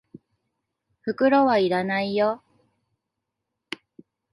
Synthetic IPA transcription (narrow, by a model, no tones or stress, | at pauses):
ɸɯ̟kɯ̟ɾo̞βaiɾanaijo